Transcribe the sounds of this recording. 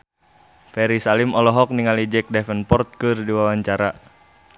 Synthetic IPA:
fɛɾisalimɔlɔɦɔk̚niŋalid͡ʒɛk̚dɛfənpɔrt̪̚kɨrdiwawaɲt͡ʃaɾa

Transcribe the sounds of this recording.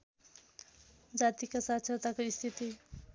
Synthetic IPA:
d͡zat̪ikasatt͡sʰʌt̪akoist̪ʰit̪i

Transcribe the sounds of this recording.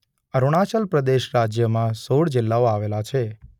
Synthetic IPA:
əɾoɽ̃at͡ʃəlpɾəd̪eʃɾad͡ʒjəmãsoɽd͡ʒɪlːaoaʋelat͡ʃʰe

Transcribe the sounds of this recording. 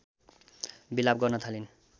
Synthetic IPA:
bilab̚ɡʌrnʌt̪ʰalin

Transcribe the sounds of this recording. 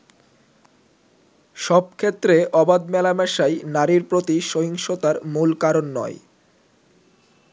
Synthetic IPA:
ʃɔb̚kʰet̪ːɾeʔɔbad̪mɛlamɛʃajnaɾiɾpɾot̪iʃoɦiŋʃot̪aɾmulkaɾonːɔ̰e

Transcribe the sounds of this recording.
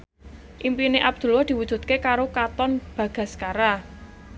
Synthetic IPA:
ʔimpineʔab̚d̪̥ṳlwad̪̥i̤wud̥ʒ̥ṳt̪̚kekaɾokat̪ɔnb̥ä̤ɡ̥ä̤skaɾa

